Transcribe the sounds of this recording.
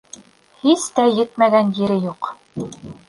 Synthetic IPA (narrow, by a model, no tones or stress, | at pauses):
hist̪æjɘ̆t̪mæɡænjɘ̆ɾɘjuq